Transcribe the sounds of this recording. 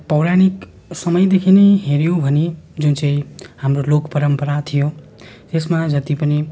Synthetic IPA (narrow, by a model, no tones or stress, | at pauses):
pʌwɾañik | sʌmʌjd̪ekʰinejɦeɾjobʱʌned͡zunt͡saĩhamrolokpʌɾʌmpʌɾat̪ʰijot̪esmad͡zʌt̪ipʌni